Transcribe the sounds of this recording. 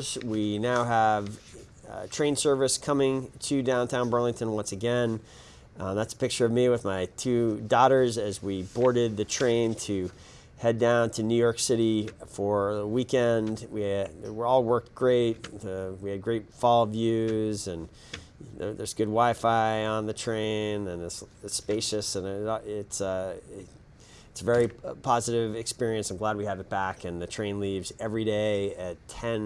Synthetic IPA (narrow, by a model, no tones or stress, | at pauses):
zwinaʊəv | tʰɹ̥ẽɪ̃nsɜ˞vɨskʰʌmɪ̃ŋtʰɨdãʊ̃ntʰãʊ̃nbɜ˞lɪ̃ŋtʰɨ̃nwʌ̃nsɨɡɛ̃n | ðætsə̥pɪk̚t͡ʃə˞ʌvmiwɨðmaɪtʰʉdɔɾə˞zɨzwibɔɹɾɪd̪̚ðɨtʰɹ̥ẽɪ̃ntʰɨ | hɛdãʊ̃ntʰɨnʉjɔɹksɪɾifə˞ðəwikɛ̃ndwiwɪɹɔlˠwɜ˞k̚t̚ɡ̥ɹeɪt̚wiɨd̚ɡɹeɪtfɔlˠvjʉzɨ̃n | ðə̰˞zɡʊd̚waɪfaɪə̃nðɨtʰɹ̥ẽɪ̃nɨ̃nɪtsspeɪʃɨsɨ̃nɪɪtsʌ | ɪtsəvɛɹipʰɑzɨɾɪvɨkspɪɹiɨ̃nsãɪ̃mɡlæd̚wiɨvɨt̚b̥ækɨ̃nðɨtʰɹ̥ẽɪ̃nlivzɛvɹideɪɨtʰɛ̃n